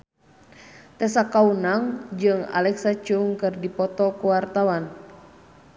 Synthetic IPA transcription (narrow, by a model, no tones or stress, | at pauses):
t̪ɛsakaunaŋd͡ʒɨŋa̰lɛksat͡ʃuŋkɨrdipɔt̪ɔkuwart̪awan